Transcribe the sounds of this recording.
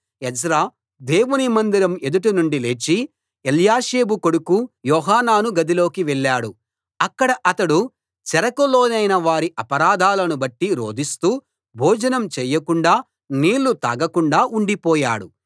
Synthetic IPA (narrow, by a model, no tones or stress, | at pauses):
ɛd͡ʒɾaː | d̪e̞ːwunimɐnd̪iɾɐme̞d̪uʈ̬unuɳɖileːt͡ʃːi | eljaːʃeːbuko̞ɽukujɔːɦaːnaːnuɡɐd̪ilo̞ːkiʋɛɭːaːɽu | ɐkːɐɽɐʔɐt̪ɐɽu | t͡ʃɛɾɐkɐlo̞ːnɐjnɐʋaːɾiʔɐpɐɾaːd̪ʱaːlɐnubɐʈːiɾo̰ːd̪ist̪uː | bʱɔːd͡ʒɐnɐmt͡ʃɛːjːɐkuɳɖaː | niːlːut̪aːɡɐkuɳɖaːʔuɳɖipɔːja̰ːɽṵ